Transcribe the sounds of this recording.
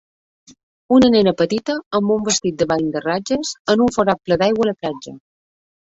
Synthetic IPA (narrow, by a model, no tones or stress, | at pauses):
unənenəpət̪it̪əəmbumbəst̪it̪̚d̪əβaj̪d̪ərad͡ʒəzənuɱfoɾat̚pləd̪ajɣwələplad͡ʒə̰